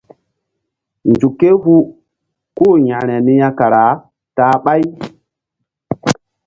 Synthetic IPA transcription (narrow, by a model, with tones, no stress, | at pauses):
nd͡ʒu˨kːe˦ɦu˦ | ko˦˨jã˨ɾɛ˨ni˦ja˦ka˨ɾa˨˦ | taː˨˦ɓa˦j